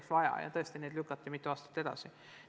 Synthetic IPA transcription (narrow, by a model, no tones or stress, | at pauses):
ksvɑjɑ̰jɑ̰t̪ɤ̞est̪ineːd̪lykːˑɑt̪ːˑimit̪ːˑuɑːst̪ɑ̥t̪ːe̞d̪̥ɑ̰si